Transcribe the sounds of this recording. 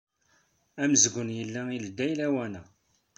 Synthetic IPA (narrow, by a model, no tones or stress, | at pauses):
æməzɡʷənjəlːæild̪ːæjlæwænæ